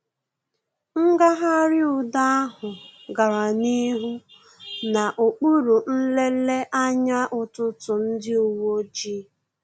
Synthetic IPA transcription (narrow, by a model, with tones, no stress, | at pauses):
ŋ̩˦ɡa˦ɦa˦ɾɪ˦ʊ˨da˦a˦ɦʊ˨ɡa˨ɾa˨ni˦ɦu˦ | na˨ʔo˨k͡pu˦ɾu˨n̩˦le˦le˦ʔa˦ɲa˦ʔʊ˨tʊ˦tʊ˨n̩˦dɪ˦ʊ˨wo˦d͡ʒi˦